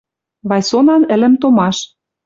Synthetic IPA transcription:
βɑjsonɑnɘ̆lɘ̆mt̪omɑʃ

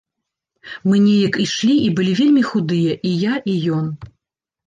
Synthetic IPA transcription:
mɨnʲɛjɐkiʂlʲiʔibɨlʲivʲelʲmʲixud̪ɨjɐʔijaʔijɔn

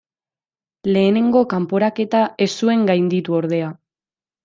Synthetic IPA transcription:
le̞ːne̞ŋɡo̞kampo̞ɾake̞t̪ae̞sue̞ŋɡajnd̪it̪uo̞ɾðe̞a

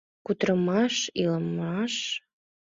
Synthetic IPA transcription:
kut̪ɾəmɑʃiləmɑʃ

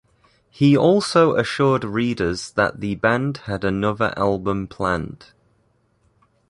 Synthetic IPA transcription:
hiɔˑlˠsoʊʔəʃɔːdɹiːdəzðə̰ʔðəbãnd̥ədənʊðə̰ɹʔa̰lˠbə̃mpʰl̥ãnd̥

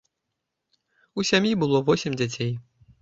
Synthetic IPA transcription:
usʲamʲjibɨlˠɔvɔsʲɪmʲd͡zʲat͡sʲej

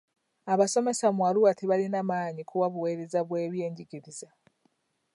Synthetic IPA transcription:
aβaso̞me̞samwaluwatiβalinamaːɲikʰuwaβuwe̞ːɾezaβwe̞ːβje̞ːɲɟiɡiɾiza

